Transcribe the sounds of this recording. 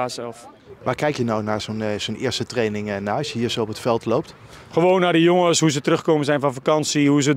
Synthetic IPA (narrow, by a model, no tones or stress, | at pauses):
asɛf | ʋaːrkɛjkjənawnaːɹzonzonɪ̰ːəstətrejnɪŋnaɥshiːəɹsəɔpətfɛlˠtlowp̚t | χəʋoːnːaːrdəjoŋəsɦuzətərɵχkoːmənzɛjnfɔnfakɑnsiɦuzə